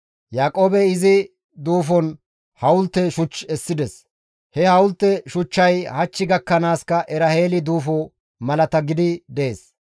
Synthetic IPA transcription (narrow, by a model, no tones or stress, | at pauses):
jaːkʼoːbɛɪzɪ | d̪uːfɔn | hɐwʊlt̪ːɛʃʊt͡ʃːɛsːɪd̪ɛs | hɛhɐwʊlt̪ːɛʃʊt͡ʃːɐjhɐt͡ʃːɪɡɐkːɐnaːskɐʔɛɾɐhe̞ːlɪd̪uːfoː | mɐlɐt̪ɐɡɪd̪ɪd̪eːs